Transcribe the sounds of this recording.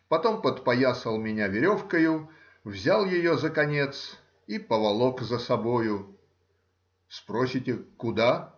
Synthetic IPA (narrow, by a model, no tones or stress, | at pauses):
pɐt̪o̞mpət̪pɐjasəlˠmʲɪnʲavʲɪɾʲo̞fkəjʊ | vzʲalˠjɪjozəkɐnʲe̞t̪s | ipəvɐlˠokzəsɐbojʊ | spɾosʲɪtʲɪkʊd̪a